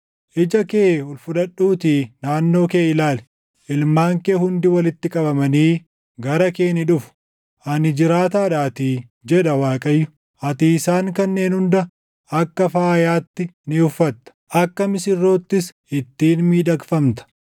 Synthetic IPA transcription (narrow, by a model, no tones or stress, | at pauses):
ʔɪd͡ʒɐke̞ːʊlfʊd̪ɐɗːuːt̪iːnaːnːo̞ːkeːɪlaːlɛ̥ | ʔɪlmaːŋkeːhʊnd̪ɪwɐlɪt̪ːɪkʼɐbɐmɐniː | ɡɐɾɐke̞ːnɪᶑʊfʊ̥ | ʔɐnɪd͡ʒɪɾaːt̪̬aːᶑaːt̪iːd͡ʒɛᶑɐwaːkʼɐjːʊ | ʔɐt̪iːsaːŋkɐnːe̞ːnhʊnd̪ɐ | ɐkːɐfaːjaːt̪ːɪnɪʊfːɐt̪ːɐ̥ʔɐkːɐmɪsɪrːo̞ːt̪ːɪs | ɪt̪ːiːnmiːᶑɐkfɐmt̪ɐ̥